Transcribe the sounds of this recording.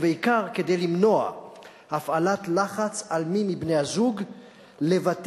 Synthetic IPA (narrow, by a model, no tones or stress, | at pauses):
veikaʁke̞d̪ejlimno̞a̰ | hafalat̪laχat͡salmimibnejhazuɡ | levat